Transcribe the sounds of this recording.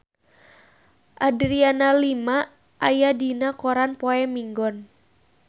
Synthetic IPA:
ʔadɾianalima | ʔajadinakɔɾanpɔɛmiŋɡɔn

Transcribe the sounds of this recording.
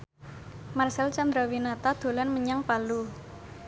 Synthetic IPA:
marsɛlt͡ʃand̪ɾawinat̪ad̪̥o̤lanməɲaŋpalu

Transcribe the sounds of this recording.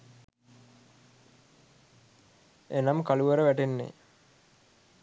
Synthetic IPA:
enamkaluʋəɾəʋæʈenːḛ

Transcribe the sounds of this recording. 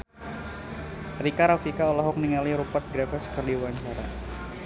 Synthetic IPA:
ɾikaɾafikaolaɦɔk̚niŋaliɾupart̪̚ɡɾafɛskərdiwaɲt͡ʃaɾa

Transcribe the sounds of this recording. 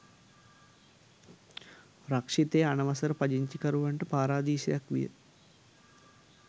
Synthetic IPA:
ɾɐkʂit̪eːɐnɐʋɐsɐɾɨpɐd͡ʒiɲt͡ʃikɐɾuʋɐɳʈɨpaːɾaːd̪iːʃɐjɐkʋḭjɐ̰

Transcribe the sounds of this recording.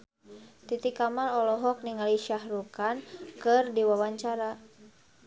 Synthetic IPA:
t̪it̪ikamarɔlɔɦɔk̚niŋaliʃahɾukankɨrdiwawaɲt͡ʃaɾa

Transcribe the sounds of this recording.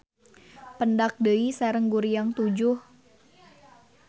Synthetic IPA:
pəndak̚dəisaɾəŋɡuɾijaŋt̪ud͡ʒʊh

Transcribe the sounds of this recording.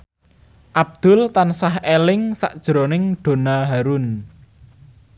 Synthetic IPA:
ʔab̚d̪̥ʊ̤lt̪ansahelɪŋsa̰ʔd̥ʒ̥ɾonɪŋɖ̥o̤naɦaɾʊn

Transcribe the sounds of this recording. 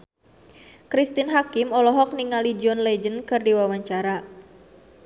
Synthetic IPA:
kɾist̪inɦakimɔlɔɦɔk̚niŋalid͡ʒɔnlɛd͡ʒənkɨrdiwawaɲt͡ʃaɾa

